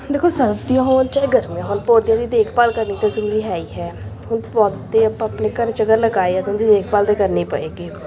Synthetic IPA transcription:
d̪eːkʰoːsəlbd̪ijãːɦoːnt͡ʃaːeɡəɾmãːɦʊnpoːd̪jãːd̪iːd̪eːkʰpaːlkəɾniːt̪azəɾuːɾiːɦɛːiːɦɛːɦʊnpɔːd̪eəpəpneːkəɾt͡ʃəɡəɾləɡaːeɛ̃t̪ʊnd̪iːd̪eːkʰpaːld̪eːkəɾniːpə̰eːɡiː

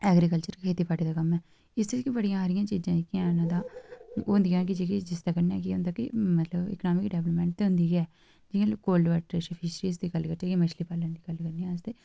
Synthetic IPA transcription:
ɛːɡɾiːkəlt͡ʃəɾkʰeːt̪iːpaːɾʈiːd̪aːkəmɛː | ɪseːkibəɽijãːaːɾɪjãːt͡ʃiːd͡ʒãːkɪãːnãːd̪ãːoːʊnd̪ijãːk̬ɪd͡ʒeːkid͡ʒɪst̪aːkəna̰ːkiʊ̃nd̪aːkɪmət̪ləbɪ̰knaːmɪkɖɛːʋləpmɛ̃ːɳʈt̪eɦʊ̃nd̪iːɡɛː | d͡ʒɪ̃koːlɖʋəʈʃəpʰiːsɾiːsd̪iːɡəlkəɾt͡ʃiːkiməʃliːpaːlãːd̪iːɡəlkəɾnijãːsd̪eː

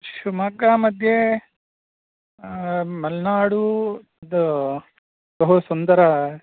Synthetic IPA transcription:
ʃumɐkaːmɐd̪ʱje | mɐlnaːɽu | d̪ɐ | bɐɦusond̪ɐɾɐ

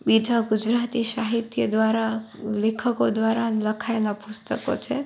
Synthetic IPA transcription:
bid̪ʱaɡʊd͡ʒɾat̪iʃaɦit̪jəd̪ʋaɾa | lekʰəkod̪ʋaɾanləkʰajlapʊst̪əko̰t͡ʃʰe

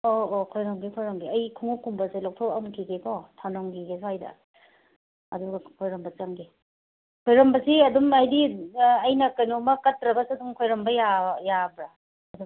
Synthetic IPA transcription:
oːkʰojɾɐmɡekʰojɾɐmɡeɐjkʰuŋukʰːuŋbɐselɔk̚tʰɔwɐmkʰiɡekʰɔtʰanoŋɡiɡesuajdɐ̰ | ɐ̰duɡɐkʰojɾɐmbɐt͡ʃaŋɡe | kʰojɾɐmbɐsiɐdumajdiɐjnɐkɐjnomɐkɐtːɾɐbɐsaduŋkʰojɾɐmbɐjajabɾaː | du

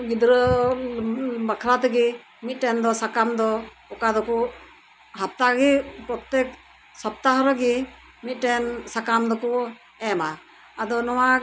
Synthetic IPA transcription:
ɡid̪ɾɔ | bakʰɾat̪ɛɡi | mit̪̚ˀʈɛnd̪ɔsakamd̪ɔ | ɔkad̪ɔkɔ | ɦap̚t̪aɡipɾɔt̪ɛk | sɔp̚t̪aɦɾɔɡi | mit̪̚ˀʈɛnsakamd̪ɔkɔ | ɛmaː | d̪ɔnɔwa

